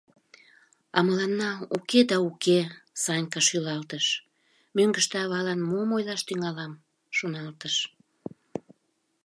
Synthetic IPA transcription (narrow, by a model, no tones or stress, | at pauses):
ɑməlɑnːɑuked̪ɑukesɑnʲkɑʃylɑlt̪əʃ | møŋɡəʃt̪eɑβɑlɑnmomojlɑʃt̪yŋɑlɑm | ʃonɑlt̪əʃ